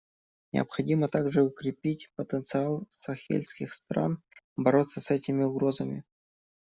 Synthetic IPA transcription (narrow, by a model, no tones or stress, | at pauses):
nʲɪ̰ɐ̰pxɐdʲimət̪aɡʐɨʊkɾʲɪpʲitʲpət̪ənt̪sɨalˠsɐxʲḛlʲskʲɪxst̪ɾa̰n | bɐɾo̞t̪sːəsɛtʲɪmʲɪʊɡɾo̞zəmʲɪ̰